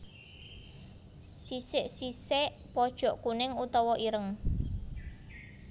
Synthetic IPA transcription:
sisɪʔsisɪʔ | pɔd̥ʒ̥ɔ̤ʔkunɪŋut̪ɔwɔʔiɾəŋ

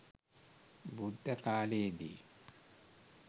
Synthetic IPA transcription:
bud̪ʱːɐkaːleːd̪ḭ

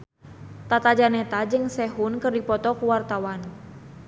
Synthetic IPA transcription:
t̪at̪ad͡ʒanɛt̪ad͡ʒɨŋsɛɦunkɨrdipɔt̪ɔkuwart̪awan

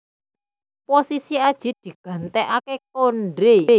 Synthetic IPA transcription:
posisiad̥ʒ̥i̤d̪̥i̤ɡ̥ä̤nt̪ɛʔakek̚onɖɾe

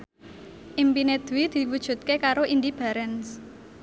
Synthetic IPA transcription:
ʔimpined̪̥wid̪̥i̤wud̥ʒ̥ṳt̪̚kekaɾoʔind̪ib̥a̤ɾɛns

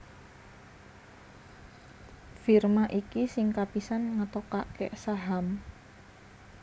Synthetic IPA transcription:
firmaʔikisɪŋkapisanŋət̪ɔkaʔkeʔsaɦam

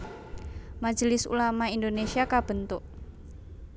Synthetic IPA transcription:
mad͡ʒəlɪsṵlamaindonesiakab̥ənt̪ʊʔ

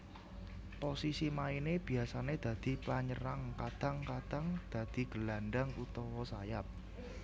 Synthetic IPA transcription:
posisimaineb̥i̤asaned̪̥ä̤d̪̥i̤paɲəɾaŋkad̪̥a̤ŋkad̪̥a̤ŋd̪̥a̤d̪̥i̤ɡ̥ə̤laɳɖaŋut̪ɔwɔsajap̚

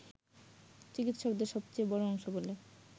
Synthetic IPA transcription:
t͡ɕikit̪ʃokd̪eɾʃɔbt͡ɕejbɔɾoɔŋʃobolːe

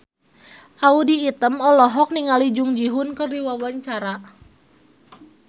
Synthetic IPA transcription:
ʔaudiːt̪əmɔlɔɦɔk̚niŋalid͡ʒuŋd͡ʒiɦʊnkərdiwawaɲt͡ʃaɾa

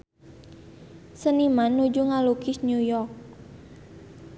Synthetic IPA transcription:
sənimanːud͡ʒuŋalukɪsnjujɔrk̚

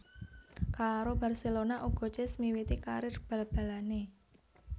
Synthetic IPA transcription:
kaɾob̥a̤rselonaʔuɡ̥ɔ̤t͡ʃɪsmiwit̪ikaɾɪrb̥a̤lb̥a̤lane

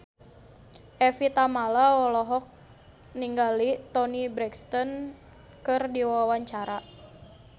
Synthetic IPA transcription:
ʔɛfit̪amalaɔlɔɦɔk̚ | niŋɡalit̪ɔnibɾɛkst̪ɔn | kɨrdiwawaɲt͡ʃaɾa

